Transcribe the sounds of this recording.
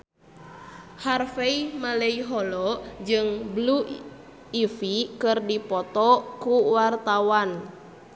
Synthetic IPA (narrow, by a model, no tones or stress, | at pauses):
harfeimaləiɦɔlɔd͡ʒɨŋblu | ifikɨrdipɔt̪ɔkuwart̪awan